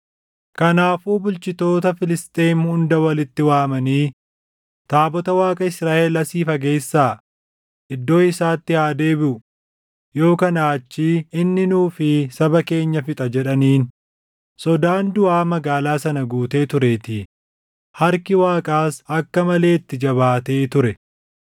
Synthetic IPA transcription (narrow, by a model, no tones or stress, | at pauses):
kɐnaːfuːbʊlt͡ʃɪt̪o̞ːt̪ɐfɪlɪst̪ʼe̞ːnhʊnd̪ɐwɐlɪt̪ːɪwaːmɐniː | t̪aːbɔt̪ɐwaːkʼɐɪsɾaːʔelɐsiːfɐɡe̞ːsːaː | ʔɪd̪ːo̞ːɪsaːt̪ːɪhaːd̪e̞ːbɪʊ | jo̞ːkɐnaːt͡ʃːiːɪnːɪnuːfɪsɐbɐke̞ːɲːɐfɪt̪ʼɐd͡ʒɛᶑɐniːn | sɔd̪aːnd̪ʊʔaːmɐɡaːlaːsɐnɐɡuːt̪e̞ːt̪ʊɾeːt̪ɪ | hɐɾkɪwaːkʼaːsɐkːɐmɐle̞ːɪt̪ːɪd͡ʒɐβaːt̪e̞ːt̪ʊɾɛ